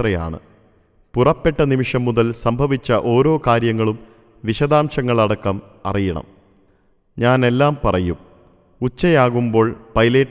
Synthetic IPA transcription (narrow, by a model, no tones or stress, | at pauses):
rɐja̰ːɳɨ̰ | purɐpːe̞ʈːɐnimiʂɐmːuðɐlsɐmbʱɐʋit͡ɕːɐʔo̞ːɾo̞ːkaːɾjɐŋːɐɭum | ʋiɕɐðaːmɕɐŋːɐɭɐɽɐkːɐm | ɐ̰rijɐɳɐ̰m | ɲaːne̞lːaːmpɐrɐjum | ut͡ɕːɐjaːɣumbo̞ːɭpɐjle̞ːʈː